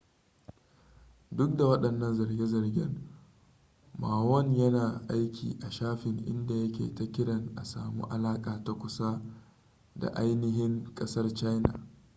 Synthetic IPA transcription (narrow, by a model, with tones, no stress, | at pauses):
dʊ˦k̚da˨wɐ˦ɗɐ˨nːɐ˦nzɐ˨rɡʲe˦zɐ˨rɡʲɪ̰˦ŋ | maː˨wɔ˦ɲjɐ˦naː˨ʔa˦jkʲḭː˨ʔa˨ʃaː˦ɸɪ˨ŋʔɪ̰˦nda˨jɐ˦kʲḛː˨ta˦kʲɪ˦ɽɐ˨ŋʔa˨saː˨mṵː˦ʔa˨laː˦kʼaː˨ta˨kʷʊ˨sa˦ | da̰˨ʔa˦jnɪ˦ɦɪ˦ŋkʼɐ˦sɐ˦rt͡ʃa˦jna̰˨